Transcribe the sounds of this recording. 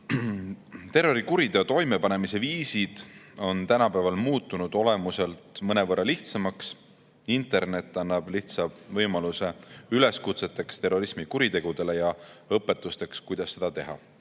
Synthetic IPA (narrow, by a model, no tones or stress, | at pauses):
t̪e̞rːo̞ɾikuɾid̪et̪o̞jme̞pɑne̞mise̞viːsid̪̥o̞nt̪ænɑpæːvɑlmuːt̪ˑːunud̪̥o̞le̞muse̞lt̪mɤne̞vɤrːɑliht̪sɑmɑks | int̪ˑe̞rne̞t̪ːˑɑnːɑb̥liht̪sɑvɤjmɑluse̞yle̞skut̪se̞t̪ːˑe̞kst̪e̞rːo̞ɾismikuɾit̪e̞ɡ̥ud̪e̞le̞jɑɤpːˑe̞t̪ːˑust̪e̞kskujd̪̥ɑsːe̞d̪̥ɑt̪e̞ɦɑ̰